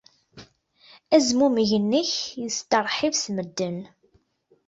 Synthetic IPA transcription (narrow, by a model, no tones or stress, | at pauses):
æzmumʝənːəçjəst̪əɾˤħivsməd̪ːən